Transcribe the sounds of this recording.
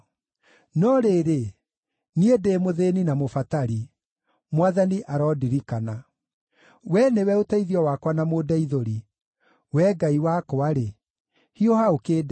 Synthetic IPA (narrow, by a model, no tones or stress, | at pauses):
nɔɾeɾe | niedemoðeninamofataɾi | mwaðaniʔaɾɔdiɾikana | wɛnewɛotaiðiɔwakwanamoːdaiðoɾi | wɛɡaiwakoaɾe | hiohaokeːd